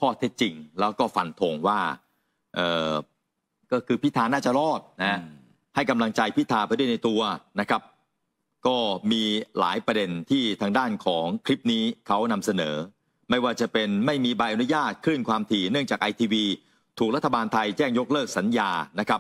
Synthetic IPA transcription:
kʰɔː˥˩t̪ʰe˦˥t̪̚t͡ɕi˧ŋlɛː˦˥wkɔː˥˩fa˧nt̪ʰo˧ŋwaː˥˩ | ʔɤː˨˩ | kɔː˥˩kʰɯː˧pʰi˦˥t̪ʰaː˧naː˥˩t͡ɕa˨˩lɔː˥˩t̪̚na˦˥h | ha˥˩jka˧mla˧ŋt͡ɕa˧jpʰi˦˥t̪ʰaː˧pa˧du˥˩ə˨jna˧jt̪u˧ɐna˦˥kʰa˦˥p̚ | kɔː˥˩miː˧la̰ː˩˦jpɾa˧de˧nt̪ʰiː˥˩t̪ʰaː˧ŋdaː˥˩nkʰɔː˩˦ŋkʰɾi˦˥p̚niː˦˥kʰa˦˥wna˧msa˧nɤː˩˦ | ma˥˩jwaː˥˩t͡ɕa˨˩pe˧nma˥˩jmiː˧ba˧jʔnu˦˥jaː˥˩t̪̚kʰɾɯ˥˩ŋkʰwaː˧mt̪ʰiː˧˩nɯ˥˩əŋt͡ɕaː˨˩kʔa˧jt̪ʰiː˧wiː˧ | t̪ʰu˨˩k̚ɾa˦˥t̪ʰːa˧baː˧nt̪ʰa˧jt͡ɕɛː˥˩ŋjo˦˥k̚lɤː˥˩k̚sa˩˦njaː˧na˦˥kʰa˦˥p̚

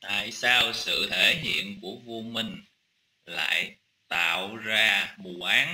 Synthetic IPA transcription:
t̪a̰ː˧˨jsaː˧wsɨ̰˧˨t̪ʰe˧˩ɦḭ˧˨ənku˧˩əvo˧mï˧ŋ̟ | la̰ː˧˨j | t̪a̰ː˧˨wzaː˧mu˨˩ʔaː˨˦n

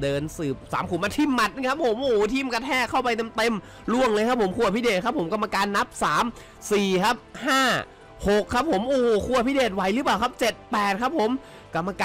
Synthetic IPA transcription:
dɤː˧nsɯː˨˩p̚sa̰ː˩˦mkʰuː˨˩˦maː˧t̪ʰiː˧˩mːa˨˩t̪̚ʔŋkʰa˦˥p̚ʰːo˨˦mʔuː˨˩t̪ʰiː˧˩mka˧t̪ʰɛː˥˩kʰa˥˩wpa˧jt̪e˧mt̪e˧m | lu˥˩əŋlɤː˧kʰa˦˥p̚ʰːo˩˦mkʰu˧˩ɐpʰi˦˥˩deː˨˩t̪̚kʰa˦˥p̚ʰːo˩˦mka˧mːa˧kaː˧nːa˦˥p̚saː˩˦m | siː˨˩kʰa˦˥p̚haː˥˩ | ho˨˩kʰːa˦˥p̚ʰːo˩˦mʔuː˨˩kʰu˧˩ɐpʰiː˦˥˩deː˨˩t̪̚wa˨˩˦jlɯ˦˥p̬aː˨˩wkʰa˦˥p̚t͡ɕe˨˩t̪̚pɛː˨˩t̪̚kʰa˦˥pʰːo˨˦m | ka˧mːa˧kaː

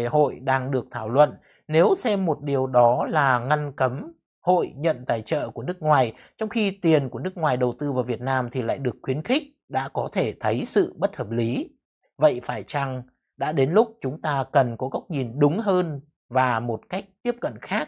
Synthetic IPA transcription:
ho̰˧˨jɗaː˧ŋɗɨ˨˩ək̚t̪ʰaː˧˩wlwə̰˧˨n | ne˨˦wsɛ˧mːo˨˩t̚ɗi˨˩əwɗɔ˨˦laː˨˩ŋa˧nkə˨˦m | ho̰˧˨jɲə̰˧˨nt̪aː˨˩jt͡ɕə̰ː˧˨ku˧˩ənɨ˦˥ək̚ŋwaː˨˩j | t͡ɕɔ˧wŋ͡mxi˧t̪i˨˩ənku˧˩ənɨ˦˥ək̚ŋwaː˨˩jɗə˨˩wt̪ɨ˧vaː˨˩vi˨˩ət̚naː˧mt̪ʰi˨˩la̰ː˧˨jɗɨ˨˩əkːxwi˨˦ənxï˦˥k̚ | ɗa̰ː˧˥kɔ˨˦t̪ʰe˧˩t̪ʰə˨˦jsɨ̰˧˨ɓə˦˥t̚həː˨˩p̚li˨˦ | və̰˧˨jfaː˧˩jt͡ɕa˧˩ŋ | ɗa̰ː˧˥ɗe˨˦nlʊ˦˥k͡p̚t͡ɕʊ˨˦ŋ͡mt̪aː˧kə˨˩nkɔ˨˦ɣa˦˥wk͡p̚ɲi˨˩nɗʊ˨˦ŋ͡mɦəː˧n | vaː˨˩mo˨˩t̚ka˦˥jk̚t̪i˦˥əp̚kə̰˧˨nxaː˦˥k̚

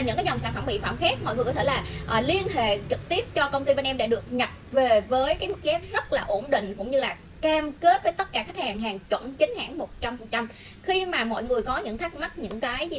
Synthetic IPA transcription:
ɲɨ̰˧˥ŋkaː˨˦zɔ˨˩wŋ͡msaː˧˩nfə˧˩mɓḭ˧˨fa̰ː˧˩mxɛ˦˥t̚mɔ̰˧˨jŋɨ˨˩əkɔ˨˦t̪ʰe˧˩laː˨˩ʔli˧ənɦḛ˧˨t͡ɕɨ˨˩k̚t̪i˦˥əp̚t͡ɕɔ˧kə˧wŋ͡mt̪i˧va˧nʔɛ˧mɗa̰ː˧˥ɗɨ˨˩ək̚ɲə˨˩p̚ve˨˩vəː˨˦jkaː˨˦jmu˦˥t̚t͡ɕɛ˨˦˥p̚zə˦˥t̚laː˨˩ʔo˧˩nɗḭ̈˧˨ŋ̟kʊ̰˧˥wŋ͡mɲɨ˧laː˨˩ | kaː˧mke˦˥p̚vəː˨˦jt̪ə˦˥t̚kaː˧˩k̪ʰa˦˥k̚haː˨˩ŋɦaː˨˩ŋt͡ɕwə̰˧˨nt͡ɕï˨˦ŋ̟ha̰ː˧˥ŋmo˨˩t̚t͡ɕa˧mfə˨˩t̚t͡ɕa˧m | xi˧maː˨˩mɔ̰˧˨jŋɨ˨˩əjkɔ˨˦ɲɨ̰˧˨nt̪ʰə˦˥k̚ma˦˥t̚ɲɨ̰˧˥ŋkaː˨˦j

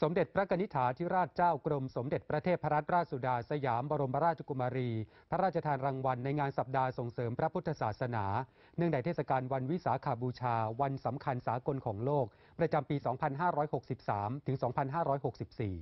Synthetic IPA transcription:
so˩˦mde˨˩t̪̚pʰɾa˦˥kʰa˧ni˦˥t̪ʰaː˩˦t̪ʰi˦˥ɾaː˥˩t̪̚t͡ɕaː˥˩wkɾo˧mso˩˦mde˨˩t̪̚pɾa˧t̪ʰeː˥˩t̪̚pʰa˦ɾa˦˥t̪̚ɾaː˥˩t̪̚su˨˩daː˧sa˧jaː˩˦mbɔː˧ɾo˧mpʰa˦˥ɾaː˥˩t̪t͡ɕʰa˨˧ku˧maː˧ɾiː˧ | pʰa˦ɾaː˥˩t̚t͡ɕʰa˧t̪ʰaː˧nɾa˧ŋwa˧nːa˧jŋaː˧nsa˨˩p̚daː˧so˨˩ŋsɤː˩˦mpʰɾa˦˥pʰu˥t̪ʰːa˧saː˨˩t̪̚sa˧naː˩˦ | nɯ˥˩ŋda˧˩jt̪ʰe˥˩sa˧kaː˧nwa˧nwi˦˥saː˩˦kʰaː˨˩buː˧t͡ɕʰaː˧wa˧nsa˩˦mkʰa˧nsaː˩˦ko˧nkʰɔː˩˦ŋloː˥˩k̚ | pɾa˧t͡ɕa˧mpiː˧sɔː˩˦ŋpʰa˧nɦaː˥˩ɾɔː˦˥jho˨˩k̚si˨˩p̚saː˩˦mt̪ʰɯ˩˦ŋsɔː˩˦ŋpʰa˧nɦaː˥˩ɾɔː˦˥jɦo˨˩k̚si˨˩p̚siː˨˩

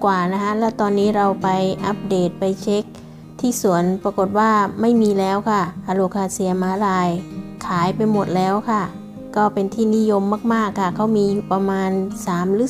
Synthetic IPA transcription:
kwaː˨˩na˦˥kʰa˦˥lɛː˦˥˩wt̪ɔː˧nːiː˦˥ɾa˧wpa˧jʔa˦˥p̚deː˨˩t̪̚pa˧jt͡ɕʰe˦˥k̚ | t̪ʰiː˥˩su˨˩˦ənpa˧ko˨˩t̪̚waː˥˩ma˥˩jmiː˧lɛː˦˥wkʰa˧˥˩ʔa˧loː˧˩kʰaː˧si˧˩ɐ˧maː˨˧˦laː˧jkʰaː˩˦jpa˧jmo˨˩t̪̚lɛː˦˥wkʰa˧˥˩ | kɔː˥˩pe˧nt̪ʰiː˥˩ni˦˥˨jo˧mːaː˥˩k̚maː˥˩kʰːa˧˥˩kʰːa˦˥˩wmiː˧juː˨˩pa˧maː˧nsaː˩˦mɾɯː˨˦

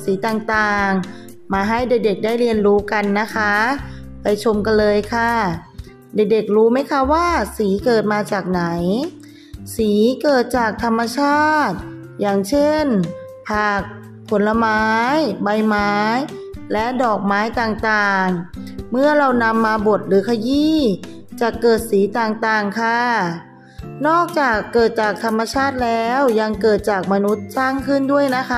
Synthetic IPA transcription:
siː˨˩˦t̪aː˨˩ŋt̪aː˨˩ŋ | maː˧ɦa˥˩jde˨˩k̚de˨˩k̚daː˥˩jɾi˧ənɾuː˦˥ka˧nːa˦˥kʰa˦˥pa˧jt͡ɕʰo˧mka˧nlɤː˧jkʰa˥˩ | de˨˩k̚de˨˩k̚ɾuː˦˥ma˦˥˩jkʰa˦˥waː˥˩siː˩˦kɤː˨˩t̪̚maː˧t͡ɕaː˨˩k̚na˩˦j | siː˩˦kɤː˨˩t̪̚t͡ɕaː˨˩k̚t̪ʰa˧mːa˧t͡ɕʰaː˥˩t̪̚ | jaː˨˩ŋt͡ɕʰe˥˩n | pʰaː˨˩k̚ | pʰo˩˦nla˧maː˦˥jba˧jmaː˦˥jlɛ˦˥ʔdɔː˨˩k̚maː˦˥jt̪aː˨˩ŋt̪aː˨˩ŋmɯ˥˩ɐɾa˧wna˧mːaː˧bu˨˩ət̪̚ɾɯː˩˦kʰa˧jiː˥˩ | t͡ɕa˨˩kɤː˨˩t̪̚siː˩˦t̪aː˨˩ŋt̪aː˨˩ŋkʰa˧ | nɔː˥˩k̚t͡ɕaː˨˩kːɤː˨˩t̪̚t͡ɕaː˨˩k̚t̪ʰa˧mːa˧t͡ɕʰaː˥˩t̪̚lɛː˦˥wja˧ŋkɤː˨˩t̪̚t͡ɕaː˨˩k̚ma˧nu˦˥t̪̚saː˥˩ŋkʰɯ˥˩ndu˥˩əjna˦˥kʰa˦˥

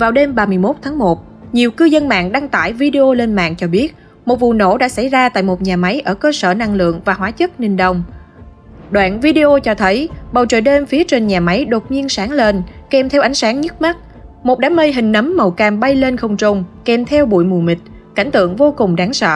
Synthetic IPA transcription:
vaː˨˩wɗe˧mɓaː˨˩mɨ˨˩əjmo˦˥t̚t̪ʰaː˨˦ŋmo˨˩t̚ | ɲi˨˩əwkɨ˧zə˧nma̰ː˧˨ŋɗa˧ŋt̪a̰ː˧˨jvi˧ɗe˧ʔo˧le˧nma̰ː˧˨nt͡ɕɔ˧ɓi˦˥ət̚ | mo˨˩t̚vṵ˧˨no̰˧˥ɗa̰ː˧˥sa˧˩jzaː˧t̪a̰ː˧˨jmo˨˩t̚ɲaː˨˩ma˨˦jʔəː˧˩kəː˧səː˧˩na˧ŋlɨ̰˧˨əŋvaː˨˩ɦwaː˨˦t͡ɕə˦˥t̚nï˧˩ŋ̟ɗə˧˩wŋ͡m | ɗwa̰ː˧˨nvi˧ɗe˧ʔo˧t͡ɕɔ˧t̪ʰə˨˦jɓə˨˩wt͡ɕə̰ː˧˨ɗe˧mfi˨˦ət͡ɕe˧nɲaː˨˩ma˨˦jɗo˨˩t̚ɲi˧ənsaː˨˦ŋle˧nkɛ˨˩mt̪ʰɛ˧wʔa˨˩jŋsaː˨˦ŋɲə˦˥t̚ma˦˥t̚ | mo˨˩t̚ɗaː˨˦mə˧jɦï˨˩ŋ̟nə˨˦mːə˨˩wkaː˨˩mɓa˧jle˧nxə˨˩wŋ͡mt͡ɕʊ˨˩ŋ͡mkɛ˨˩mt̪ʰɛ˧wɓṵ˧˨jmu˨˩mï˨˩k̟̚ | ka̰˧˩jŋ̟t̪ɨ̰˧˨əŋvo˧kʊ˨˩ŋ͡mɗaː˨˦ŋsə̰ː˧˨

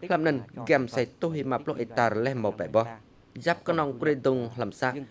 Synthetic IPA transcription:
hlə˧m̚nɨ˧nɡɛ˧msa˧jt̪ohi˧ma˧˩p̚ʰlo˧ʔe˨t̪a˧rlɛ˧hmɔ˨pɛ̰˨bɔh | jap̚knɔ˧ŋkri˧d̪uŋhla˧msa˧ʔ

